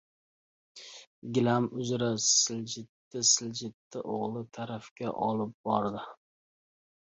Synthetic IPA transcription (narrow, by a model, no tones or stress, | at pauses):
ɡʲɪlamʊzɾasɪld͡ʒɪt̪ːɪsɪld͡ʒɪt̪ːɪʔoʁlˠɪt̪ʰaɾafkʲa̰ʔɒlˠɪp̚b̥ɒɾd̪ɪ